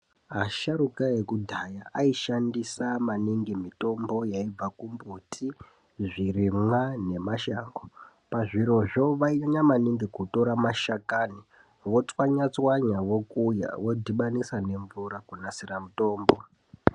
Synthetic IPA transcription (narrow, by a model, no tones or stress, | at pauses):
aʃaɾukaekudʱajaʔaiʃandisamaniŋɡimito̞mbo̞jaib͡vakumbutʰi | ʐirimwane̞maʃaːŋɡo | paʐiɾo̞ʐo̞ʋaioɲamaniŋɡikuto̞ɾamaʃakani | ʋo̞t͡swaɲat͡swaɲaʋo̞kuja̰ʋo̞dʱiɓanisane̞ɱvuɾakunasiramuto̞ːmbo̞